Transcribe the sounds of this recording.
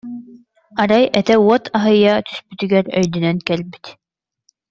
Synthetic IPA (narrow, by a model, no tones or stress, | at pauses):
aɾajɛt̪ɛuɔt̪ʰaɦɯjat̪ʰy̥spyt̪yɡɛɾœ̰jd̪ynɛnkɛlbi̥t̪